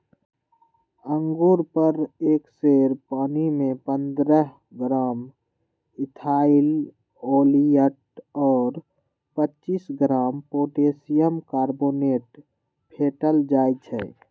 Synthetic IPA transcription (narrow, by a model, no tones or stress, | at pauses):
əŋɡoɾpəɾeːkseːɾpaːnimẽpənd̪ɾəɦ | ɡɾaːm | ɪt̪ʰaːil | oːlijəʈɔːɾ | pətːt͡ʃiːsɡɾaːmpoːʈeːsijəmkaːɾboːneːʈ | pʰeːʈəld͡ʒaːjt͡ʃʰɛ̰